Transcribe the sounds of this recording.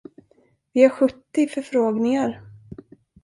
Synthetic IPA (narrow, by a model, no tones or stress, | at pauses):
vɪaɾɧɵt̪ːɪfœɾfɾoːɡnɪŋaɾ